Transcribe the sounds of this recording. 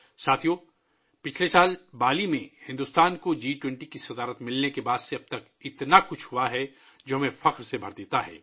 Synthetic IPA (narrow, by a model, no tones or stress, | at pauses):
saːt̪ʰijõː | pɪt͡ʃʰlesaːlbaːlimẽhɪ̃nd̪ʊst̪aːnkod͡ʒiːʈwɛ̃ɳʈikisɐd̪aːɾət̪mɪlnekebaːd̪seɐb̚t̪ɐk | ɪt̪nakʊt͡ʃʰhuaɦɛ | d͡ʒoːɦɐmẽfɐqɾsebʱɐɾd̪eːt̪aɦɛ̰ː